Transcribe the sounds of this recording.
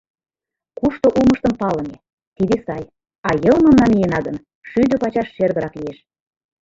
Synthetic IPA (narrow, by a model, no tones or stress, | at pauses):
kuʃt̪oʔuməʃt̪əmpɑləne | t̪id̪esɑj | ɑjɤlmomnɑnijenɑɣən | ʃyd̪øpɑt͡ɕɑʃʃerɣəɾɑklijeʃ